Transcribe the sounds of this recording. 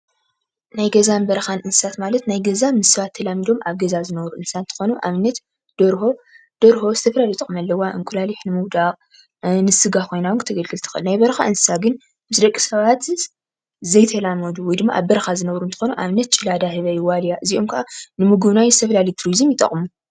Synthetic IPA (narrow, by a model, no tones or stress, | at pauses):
najɡɐzanbɐɾɐxanʔɨnssat̪malɐt̪najɡɐzamɨssɐβat̪ʰːɐlamid̪o̞mʔaβɡɐzazɨnɐβɾuʔɨnsant̪ʰɨ̥xo̞nuʔa̰βnːɐt̪ | d̪̥ɐɾho | d̪̥ɐɾho̞zɨt̪ʰɐfɐlaljt̪ʼɐkʼɨmɐlːɐwːaʔɨŋkʼulaliħnɨmɨwd̪aqʼ | nɨsɨɡakʰo̞jnawɨnkʰɨt̪ʰɐɡɐlɡɨlt̪ʰɨ̥xɨ̰nnajbɐɾɐxa̰ʔɨnssaɡɨn | mɨsd̪ɐkʼːi̥sɐβat̪ | zɐjt̪ʰɐlamɐd̪uwɔjd̪ɨmːa̰ʔa̰βbɐɾɐxazɨnɐβɾunt̪ʰxo̞nuʔaβnːɐt̪̚t͡ʃʼɨlad̪ahɨβɐjɪwalijaʔɨziʔo̞mkʰɐʔanɨmuɡuβnajzɨt̪ʰɐfɐlalɐjt̪ʰɾizɨmjɪt̪ʼɐ̰χʼmu